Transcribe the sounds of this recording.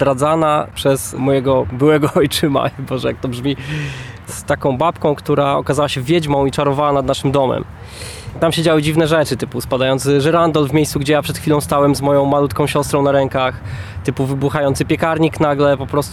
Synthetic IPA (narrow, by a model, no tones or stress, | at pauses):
d̪ɾad̪zanapʂɛz̥mɔjɛɡɔbɘwɛɡɔɔjt͡ʂɘma̰ibɔʐɛjak̚t̪ɔbʐmʲi | st̪akɔ̃w̃bapkɔ̃w̃kt̪uɾaɔkazawaɕɛvʲjɛd͡ʑmɔ̃w̃it͡ʂaɾɔvawanad̪naʂɘmd̪ɔmɛ̰m | t̪amɕed͡ʑawɘd͡ʑivnɛʐɛt͡ʂɘt̪ɘpuspad̪ajɔnt̪sʐɛɾand̪ɔlvmʲejssuɡd͡ʑɛjapʂɛt̪xfʲilɔ̃w̃st̪awɛmzmɔjɔ̃w̃malut̪kɔ̃w̃ɕɔst̪ɾɔ̃w̃naɾɛŋkax | t̪ɘpuvɘbuxajɔnsɘpʲɛkaɾɲiknaɡlɛpɔpɾɔst̪